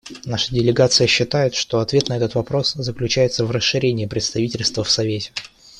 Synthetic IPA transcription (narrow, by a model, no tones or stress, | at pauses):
naʂə̥dʲɪlʲɪɡat̪sɨjəɕːɪt̪ajɪt̪ʂt̪o̞ɐt̪vʲe̞t̪nɐɛt̪ət̪vɐpɾo̞szəklʲʉt͡ɕæjɪt̪səvrəsːɨɾʲenʲɪːpɾʲɪt̪st̪ɐvʲitʲɪlʲst̪vəfsɐvʲetʲɪ̥